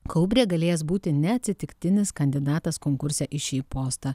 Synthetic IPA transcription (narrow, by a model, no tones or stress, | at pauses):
kɔʊbʲɾʲiːɡɐlʲeːjɛsbuːt̪ʲɪnʲɛɐt̪ʲsʲɪt̪ʲɪkt̪ʲɪnʲɪskɐnʲd̪ʲɪd̪ɑːt̪ɐskoːŋkʊɾʲsʲɛʔɪʃʲiːpoːst̪ɑ